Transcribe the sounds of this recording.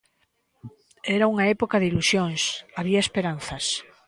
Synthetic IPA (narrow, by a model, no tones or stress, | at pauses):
ɛɾauŋaɛpokaðɪilusjoŋsaβiaespeɾan̟θɐs